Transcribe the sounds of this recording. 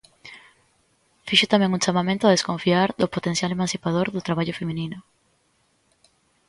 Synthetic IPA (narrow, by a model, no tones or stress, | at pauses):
fiʃot̪amẽŋũnt͡ʃamamẽnt̪ʊaðeskoɱfiaɾðopot̪ensjalemãnsipaðoɾðʊt̪ɾaβ̞aʎofemĩninʊ